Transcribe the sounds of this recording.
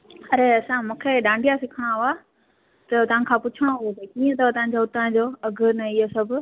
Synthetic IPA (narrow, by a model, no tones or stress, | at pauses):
ɐɾeɐsãmũːkʰeɗãːɳɖijasɪkʰəɽ̃ãɦʊa | t̪ɐt̪ɐʋ̤ãkʰãːpʊt͡ɕʰəɽ̃oɦʊet̪ekiːə̃t̪ɐt̪ɐɦãɲ̆d͡ʑoʊt̪ãd͡ʑoːɐɡʱənɐiosɐbʱʊ̆